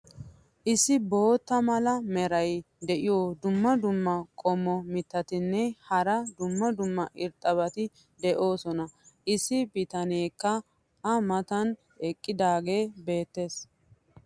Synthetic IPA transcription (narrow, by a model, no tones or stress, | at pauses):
ʔɪsːɪbo̞ːt̪ːɐmɐlɐmɛɾɐj | d̪ɛʔɪjoːd̪ʊmːɐd̪ʊmːɐkʼɔmːɔmɪt̪ːɐt̪ɪnːɛhɐɾɐd̪ʊmːɐd̪ʊmːɐʔɪɾt̪ʼːɐβɐt̪ɪ | d̪ɛʔo̞ːsɔnɐʔɪsːɪbɪt̪ɐneːkːɐ | ɐmɐt̪ɐn | ɛkʼːɪd̪aːɡe̞ːbe̞ːt̪ːe̞ːs